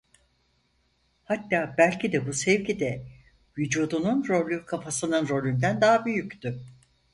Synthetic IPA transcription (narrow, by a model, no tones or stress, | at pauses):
hat̪ːaːbælʲcʰid̪ɛbusɛvcid̪ɛ | vyd͡ʒuːd̪ununɾo̞lʲykʰafasɯnɯnɾo̞lʲynd̪ænd̪aɦabyjyct̪y